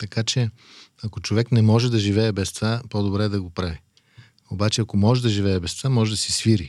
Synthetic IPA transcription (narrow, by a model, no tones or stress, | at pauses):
t̪ɐkat͡ʃɛ | ɐkot͡ʃovɛknɛmɔʒɛd̪ɐʒivɛːbɛst̪vapod̪obɾɛd̪ɐɡopɾavi | obat͡ʃɛɐkomɔʒɛd̪ɐʒivɛːbɛst̪vamɔʒɛd̪ɐsisviɾi